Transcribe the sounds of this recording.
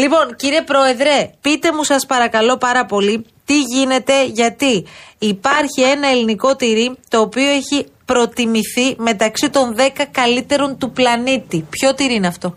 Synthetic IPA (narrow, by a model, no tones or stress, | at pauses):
lipo̞nciɾie̞pɾo̞e̞ðɾe̞pit̪e̞musɐspɐɾɐkɐlo̞pɐɾɐpo̞lit̪iʝine̞t̪e̞ʝɐt̪iːpɐɾçie̞nɐe̞liniko̞t̪iɾit̪o̞ːpio̞eçi | pɾo̞t̪imiθime̞t̪ɐksit̪o̞nðe̞kɐkɐlit̪e̞ɾo̞nt̪uplɐnit̪ipço̞t̪iɾiineɐft̪o̞